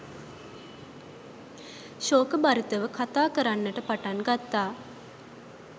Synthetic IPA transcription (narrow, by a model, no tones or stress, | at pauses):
ʃoːkəbaɾit̪əʋəkʰat̪aːkəɾanːəʈəpaʈaŋɡat̪ːaː